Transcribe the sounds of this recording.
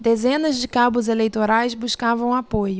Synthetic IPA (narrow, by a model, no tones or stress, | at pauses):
d̪ezẽnɐzd͡ʒɪkabʊzelejt̪oɾajzbuskavɐ̃w̃apojʊ